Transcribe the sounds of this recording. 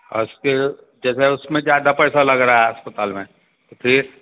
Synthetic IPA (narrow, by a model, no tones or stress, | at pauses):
ɔ̰ɾʊske | d͡ʒɛːseʊsmẽd͡ʒjaːd̪apɛːsalɐɡɾaːɦɛɦɐspət̪aːlmẽ | t̪opʰɪɾ